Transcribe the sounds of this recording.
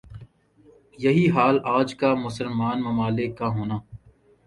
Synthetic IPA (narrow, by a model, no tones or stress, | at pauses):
jɐɦiɦaːlaːd͡ʒkamʊsəlmaːnmɐmaːlɪkːaɦoːnaː